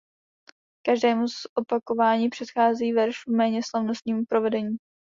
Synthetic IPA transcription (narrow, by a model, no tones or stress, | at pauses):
kaʒdɛːmuzʔopako̞vaːɲiːpr̥ɛt̪xaːziːvɛɾʃumɛːɲɛslavno̞st̪ɲiːmupɾo̞vɛdɛɲiː